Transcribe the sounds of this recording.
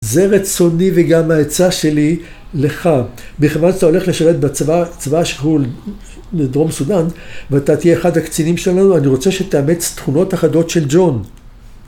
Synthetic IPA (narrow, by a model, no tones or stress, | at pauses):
ze̞ʁet͡so̞niveɡamhaet͡saʃe̞li | le̞χabiχevanʃḁt̪ao̞le̞χleʃaʁet̪̚bavat͡svaʃe̥ɦul | bed̪ʁomesud̪anveat̪at̪ijeːχad̪hakt͡sinimʃelanuaniʁo̞t͡se̞ʃet̪eamet͡st̪χuno̞t̪aχad̪o̞t̪ʃe̞ld͡ʒo̞n